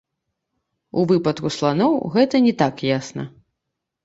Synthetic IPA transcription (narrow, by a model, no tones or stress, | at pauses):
ṵvɨpɐt̪kuslˠanɔwɣɛt̪ɐnʲɛt̪akjasnɐ̰